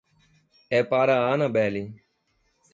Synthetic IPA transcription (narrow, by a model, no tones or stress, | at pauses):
eːpaːɾaːaːnãːbeːliː